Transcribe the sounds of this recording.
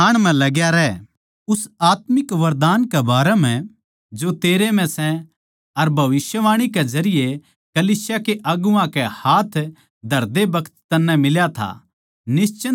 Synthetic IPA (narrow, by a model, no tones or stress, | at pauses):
aːɽ̃mɛ̃lɐɡjaɾɛː | ʊsaːt̪mɪkʋɐɾd̪aːnkebaːɾɛm̤ɛ̃ | d͡ʒot̪eːɾemɛ̃sɛ̃ | ɐɾbʱɐʋɪsjəʋaːɽ̃iked͡ʒɐɾɪje | kɐliːsjakeʔɐɡuãkɛhaːt̪ʰ | d̪ʱɐɾd̪ebɐkʰt̪ːɐnːɛ̃mɪljat̪ʰa̰ | nɪst͡ʃə